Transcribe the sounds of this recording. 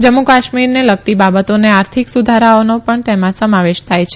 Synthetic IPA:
d͡ʒəmːukaʃmiɾneləɡ̚t̪ibabət̪oneaɾt̪ʰiksud̪ʱaɾaonopəɳt̪emãsəmaʋeʃt̪ʰajt͡ʃʰe̥

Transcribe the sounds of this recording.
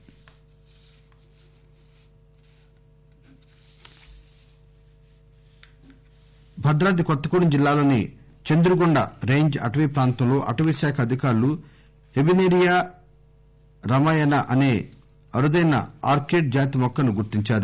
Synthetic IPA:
bʱɐd̪ɾaːt̪̬ikɔt̪ːɐkuɽumd͡ʒilːaːlo̞ːnḭ | t͡ʃend̪uɾuɡɔɳɖɐ̰ɾeːɲd͡ʒɐ̰ʈʋiːpɾaːnt̪ɐmlo̞ːʔɐʈɐʋiʃaːkʰɐːd̪ʱikaːɾulu | hebineːɾijaː | ɾɐmɐjɐnɐʔɐne̞ː | ɐɾud̪ɐjnɐ̰a̰ːɾke̞ːʈ̚d͡ʒaːt̪imɔkːɐnuɡuɾt̪iɲt͡ʃaːɾu

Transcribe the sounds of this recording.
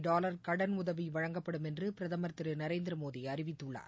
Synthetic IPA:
ɖaːlɐɾkɐɽɐnʊðɐʋiʋɐɻɐŋɡɐpːɐɽɯmɛndrɯpɪɾɐðaːmɐɾt̪ːɪɾɯnɐɾeːnd̪ɪɾɐmoːðiɐrɪʋɪt̪ːɯɭːa̰ːɾ

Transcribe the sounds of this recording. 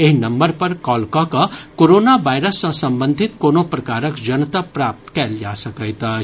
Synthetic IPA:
eɦnɐmbəɾpɐɾkɔːlkɔkɔkoɾonaʋajɾəsːɐ̃səmbənd̪ʱit̪konopɾɐkaːɾəkd͡ʒɐnt̪əpɾaːp̚t̪keld͡ʒasəkəjt̪ə

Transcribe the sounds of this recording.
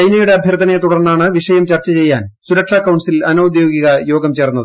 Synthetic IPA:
t͡ɕɐjnɐjuɽe̞ɐbʱjɐrt̪ɐnɐjɐt̪uɽɐrnaːɳɨʋiʂɐjɐmt͡ɕɐrt͡ɕːɐt͡ɕe̞jːaːnsuɾɐkʂɐːkːɐwɳsilɐnɐud̪jo̞ːɡiɣɐjo̞ːɡɐmt͡ɕe̞ːrunːɐðɨ

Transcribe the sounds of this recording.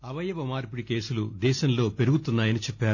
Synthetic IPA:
ɐʋɐjɐʋɐmaːɾpuɽike̞ːsulud̪ɛːʃɐnlo̞ːpe̞ɾuɡut̪unːaːjɐnit͡ʃɛpːaːɾu

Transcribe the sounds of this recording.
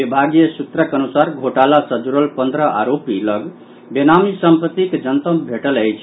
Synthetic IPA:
bebʱaɡijʌsut̪ɾʌkʌnusaɾɡʱoʈalasʌd͡ʒuɾʌlpʌnd̪ʱɾʌʔa̰ɾopilʌɡ | benamisʌmpət̪ikd͡ʒʌnt̪əbʱeʈʌlʌjt͡ʃʰ

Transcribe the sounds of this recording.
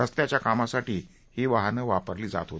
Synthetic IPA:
əst̪jat͡ɕjakamasaʈiː | hiːʋaɦanəːʋapəɾliːd͡za̰t̪ɦot̪

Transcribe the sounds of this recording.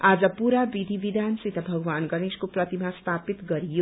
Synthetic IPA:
ad͡zʌpuɾabid̪ʱibid̪ʱansit̪ʰʌbʱʌɡwanɡʌneskoprʌt̪imast̪ʰapit̪ɡʌɾijo

